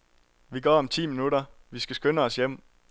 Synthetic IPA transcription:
ʋiɡ̥ɒ̰ːɒ̽mt͡sʰḭːminudɾɐʋisɡ̥æsɡ̥ønəɒ̽sjem̰

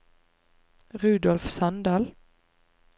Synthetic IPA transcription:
ʁʉːd̪ɔlfsɑnd̪ɑːl

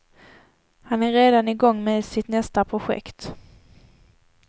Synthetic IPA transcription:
hanæɾeːd̪anɪɡɔŋːmeːd̪sɪt̪nɛst̪apʰɾʊɧɛ̰kt̪

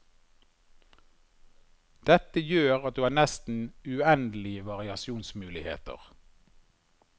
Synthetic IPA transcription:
d̪̥ɛt̪əjøːʁɑt̪̚d̪ʉːhɑːnɛst̪n̩ʉɛnd̪əl̩ɪəʋɑʁɪɑsjuːnsmʉːlɪhḛːt̪ə̰ʁ

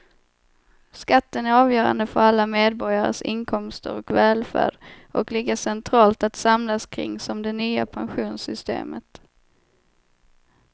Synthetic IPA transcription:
skat̪ːənæɾɑːvjœːɾa̰nd̪əfœɾalːameːd̪bɔɾjaɾə̰sɪnkʰɔmst̪ə̰ɾɔkvɛːlfæ̰ːɖʔɔklɪɡəʂɛnt̪ʰɾɑːlt̪at̪samlaskʰɾɪ̰ŋːsɔmd̪ɛnyːa̰pʰanɧuːnsʏst̪ḛːmət̪

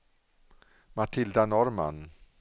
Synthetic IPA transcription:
mat̪ʰɪld̪anɔɾma̰n

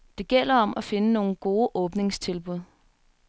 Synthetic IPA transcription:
d̥e̝ɡ̥el̰ɐɒ̽mʔæfe̝nəno̝ːn̩ɡ̥o̝ːʔɔ̽ːb̥ne̝ŋst͡sʰe̝lb̥uð̰ˠ

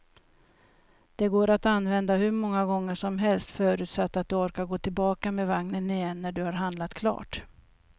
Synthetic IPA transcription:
d̪̥ɛɡoːɾat̪anːvɛnd̪aɦɵɾmɔŋːaɡɔŋːəʂɔmɦɛlst̪fœːɾʉ̟ːt̪sat̪ːat̪̚d̪ɵɔɾkaɾɡoːt̪ʰɪlbɑːkamevaŋnənɪjɛnːæɖɵhaɾɦand̪lat̪kʰlɑ̰ːʈ

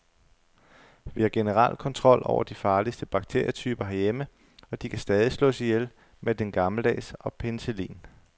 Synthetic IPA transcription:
ʋihɑ̈ɡ̥e̝nəʁɑ̰l̰̥kʰɒ̽nt͡sʰʁɒ̽l̰ʔɒ̰ʊɐd̥ifɑ̈ːlisd̥əb̥ɑ̈ɡ̥̚t͡sʰe̝̰ɐ̰jɐt͡sʰyːb̥ɐɦæɐjemə | ɒ̽d̥ikʰæsd̥ɛːð̞ˠislɔ̰̽ːsijel | med̥enɡ̥ɑ̈ml̩d̥ɛ̰ːsɒ̽pʰenselḭːn

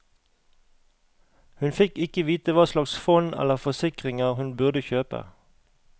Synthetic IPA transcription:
hʉnfɪkɪkəʋiːt̪əʋɑːslɑksfɔnɛ̰ləʁfɔsɪkʁɪŋəʁhʉnbʉʁd̪əçøːpə̰

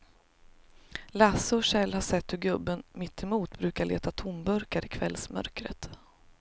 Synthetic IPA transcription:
lasəɔʂɛlːhaʂɛt̪ːhɵɡɵbːənmɪt̪ʰːɛmuːt̪bɾʉ̟ːkaɭʔḛːt̪at̪ʰʊmbœɾkaɾɪkʰvɛ̰lsmœ̰ɾkɾə̰t̪

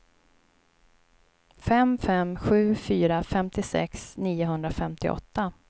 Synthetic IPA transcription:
fɛmfɛmɧʉ̟ːfyːɾafɛmt̪ɪsɛ̰ksniːʊɦɵnd̪ɾafɛmt̪ɪ̰ʔɔ̰t̪ːa

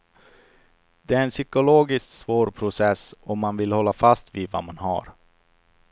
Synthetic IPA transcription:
d̪ɛæɾɛnsʏkʊloːɡɪsksvoːɾpʰɾʊsɛsɔmːanvɪlhɔlːafast̪viːd̪va̰manɦa̰ɾ

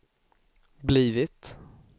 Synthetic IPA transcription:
bliːvɪt̪

